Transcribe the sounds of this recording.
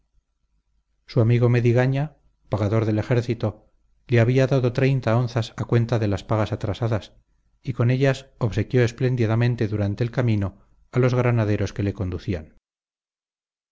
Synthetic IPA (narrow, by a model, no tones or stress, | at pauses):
suamiɣo̞me̞ðiɣaɲa | paɣaðo̞ɾðe̞lexe̞ɾθit̪o̞ | leaβiaðaðo̞t̪ɾe̞jnt̪ao̞nθasakwe̞nt̪aðe̞laspaɣasat̪ɾasaðas | iko̞ne̞ʎasoβse̞kjo̞esple̞nd̪iðamẽ̞nt̪e̞ðuɾant̪e̞ːlkamĩno̞ | alo̞zɣɾanaðe̞ɾo̞ske̞le̞ko̞nd̪uθian